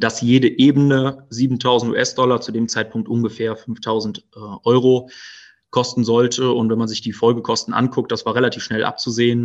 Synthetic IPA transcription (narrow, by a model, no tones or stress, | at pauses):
d̥asjeːdəʔeːbənəziːbn̩tʰaʊzn̩tṵːʔɛsd̥ɔlɐt͡sudeːmt͡saɪt̚pʰʊŋktʔʊnɡəfɛːɐfʏnftʰaʊzn̩tʔʔɔʏʁo | kʰɔstn̩zɔltʰəʊntv̥ɛnmanzɪçd̥iːfɔlɡəkʰɔstn̩ʔa̰nkʰʊk̚t̚d̥asv̥aːɐʁelatʰiːfʃnɛlʔa̰p̚t͡suzeːən